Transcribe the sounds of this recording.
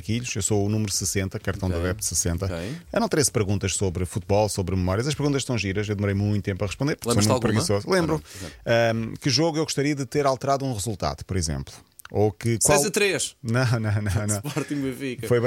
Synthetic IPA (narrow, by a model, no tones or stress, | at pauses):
kiʎuʃewsounumɾusɨsẽnt̪ɐkɐɾt̪ɐ̃w̃d̪ɐðɛpd̪sɨsẽnt̪ɐɐnɐ̃w̃t̪ɾespɨɾɣũnt̪ɐʃsoβɾfut̪̚βɔlˠsoβɾmɨmɔɾiɐzɐʃpɨɾɣũnt̪ɐʃsɐ̃w̃ʒiɾɐʃewd̪muɾɐjmũj̃t̪ut̪ẽmpɐʁɨʃpõnd̪eɾpuɾfomũpɾɣĩsozulˠẽmbɾuɛɛkɨʒoɣuewɣuʃt̪ɐɾiɐðɨt̪eɾalˠt̪ɨɾaðũʁɨzulˠt̪a̰ðupɔɾizḛ̃mplˠu | okɨkwalˠzɐt̪ɾeʃnɐ̃w̃nɐ̃w̃nɐ̃w̃nɐ̃w̃pɔɾt̪ĩbɐ̃fikɐfojβɐ̃